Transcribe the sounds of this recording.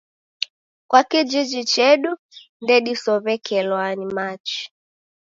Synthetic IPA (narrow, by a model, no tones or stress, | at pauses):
kwakid͡ʒid͡ʒit͡ʃɛɗu | ndɛɗisɔβɛkʰɛlwanimat͡ʃi̥